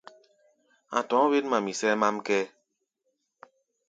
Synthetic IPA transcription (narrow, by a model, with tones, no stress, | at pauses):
a̰˨tɔ̃˨˦βe˦tma˨mi˨sɛ˦ma˦mkɛ˦